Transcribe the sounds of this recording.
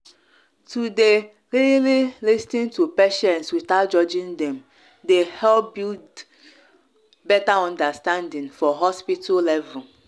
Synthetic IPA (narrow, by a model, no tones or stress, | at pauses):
tude | ɾililistĩntupeʃɛ̃nswitat̚d͡ʒɔd͡ʒĩndɛ̃m | dehɛlp̚bild | bɛtaɔ̃ndastãndĩnfɔɦɔspitʰalɛvɛ